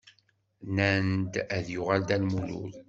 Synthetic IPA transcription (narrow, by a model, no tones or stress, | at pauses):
nænd̪æðjʊʁald̪ælmulṵl